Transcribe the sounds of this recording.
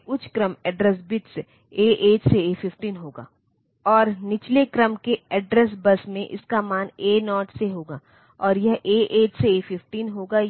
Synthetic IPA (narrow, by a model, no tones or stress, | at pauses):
ʊt͡ʃʰkɾəmɛɖɾɛsbɪʈs | eːʔeːʈseefɪfʈiːnɦoːɡa̰ː | ɔːɾnɪt͡ʃlekɾəmkeɛɖɾɛs̬bɐsmẽʔɪ̰skamaːneːnɔːʈseɦoːɡaː | ɔːɾjɐɦʔeːʔeːʈseːfɪfʈiːnɦoːɡa